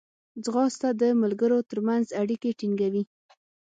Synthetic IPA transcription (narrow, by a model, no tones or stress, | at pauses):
d͡zɣɑst̪ad̪əmalɡəɾot̪əɾmanzaɽikeʈiŋɡawi